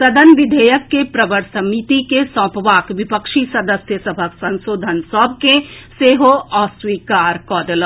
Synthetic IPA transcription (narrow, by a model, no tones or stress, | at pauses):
sɐd̪ənʋɪd̪ʱəjəkːepɾɐbəɾsɐmit̪ikesɔ̃ːpʋaːkʋɪpəkʃisɐd̪əsjəsɐbʱəsɐ̃nʃoːd̪ʱənsɔːb̚ʱkẽseːɦoɔːswiːkaːɾkɔːd̪əl